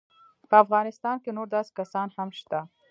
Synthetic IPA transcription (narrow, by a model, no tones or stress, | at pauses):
pəɐfɣɑːnɪst̪ɑːnkenoɾd̪ɐs̚kɐsɑːnhɐmʃt̪a